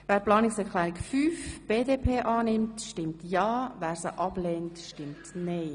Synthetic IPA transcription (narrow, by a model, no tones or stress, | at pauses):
ʋæːɾplɑːnɪksɛkʰlɛːɾɪkfyːfb̥eːdeːpʰeːʔɑːnɪmtʃtɪmtjɑːvæːɾsə̰ʔɑb̥lɛntʃtɪmtneː